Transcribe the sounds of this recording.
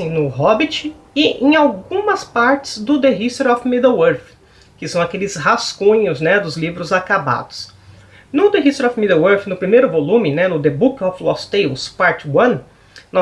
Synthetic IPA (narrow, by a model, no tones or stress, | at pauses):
ẽj̃nʊɦɔbit͡ʃɪ | ɪʔḛ̃j̃awɡũmɐspaɾt͡ʃɪ̥zd̪ʊd̪eɦist̪ɾɔfmid̪ewoɾf | kɪsɐ̃w̃akelɪshaskõɲʊznɛd̪ʊzlivɾʊzakaba̰d̪ʊs | nʊd̪eɦist̪eɾɔfmid̪ewoɾfnʊpɾimejɾʊvolũmɪnɛnʊd̪ebukɪɔflɔst̪ejspaɾt͡ʃɪwɐ̃n | nɔ